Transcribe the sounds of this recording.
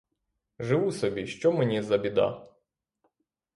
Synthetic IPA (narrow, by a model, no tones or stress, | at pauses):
ʒɪʋusɔbʲiʃt͡ʃɔmenʲizɐbʲid̪ɑ̰